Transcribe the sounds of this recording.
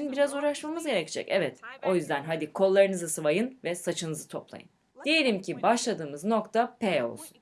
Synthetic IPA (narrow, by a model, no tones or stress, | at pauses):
ynbiɾazuːɾaʃmamɯzɟe̞ɾecid͡ʒɛ̰cɛvɛt̪o̞jyzd̪ænɦad̪ikʰo̞lˠːaɾɯnɯzasɯvajɯnvɛsat͡ʃʰɯnɯzɯt̪ʰo̞plˠa̰jɯ̰n | d̪ije̞lʲimcʰibaʃlˠad̪ɯːmɯzno̞kt̪ʰapeo̞̰lˠsu̥n